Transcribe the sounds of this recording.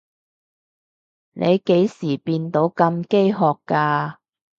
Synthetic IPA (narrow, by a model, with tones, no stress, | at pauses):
nʔe˨˧jke˨˥jsiː˨˩piː˧nt̪o˨˥wkɐ˧mke˥jɦɔː˨˧kːaː˧